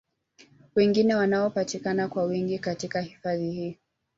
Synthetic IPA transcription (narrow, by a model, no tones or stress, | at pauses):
wɛŋɡinɛwanaɔpatikanakwawiŋɡikatikahifaðihiː